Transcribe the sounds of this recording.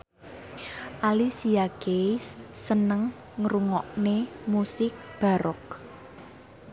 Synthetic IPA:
ʔalisiakesːənəŋː | ɾuŋɔʔnemusɪk̚b̥a̤ɾɔk̚

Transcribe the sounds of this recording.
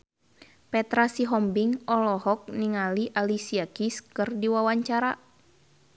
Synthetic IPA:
pɛt̪ɾasiɦɔmbiŋɔlɔhɔk̚niŋaliʔalisiakiskɨrdiwawaɲt͡ʃaɾa

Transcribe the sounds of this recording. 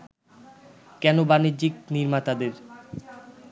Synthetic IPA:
kɛnobanid͡ʑikniɾmat̪ad̪eɾ

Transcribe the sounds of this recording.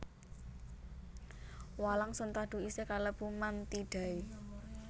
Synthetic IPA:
walaŋsənt̪aɖ̥̪ṳisekaləb̥umant̪iɖ̥a̤i

